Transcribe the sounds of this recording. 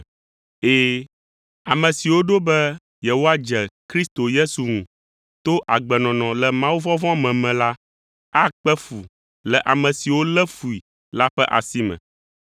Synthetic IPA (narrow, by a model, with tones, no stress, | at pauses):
eː˦˨ | a˨mɛ̃˨si˨wo˦ɖo˦bɛ˦ | jɛ˨wo˦a˦d͡ʒɛ˨kɾi˦st̪o˨je˦su˨ŋũ˨ | t̪o˦ʔa˨ɡ͡bɛ˨nɔ̃˨nɔ̃˨lɛ˨mã˦wu˦vɔ̃˦vɔ̃˦mɛ̃˨mɛ̃˨la˦ | a˦k͡pɛ˦fu˨ | lɛ˨ʔa˨mɛ̃˨si˨wo˦lɛ˦fu˨i˨ | la˦ɸɛ˦ʔa̰˨si˦mɛ̰̃˨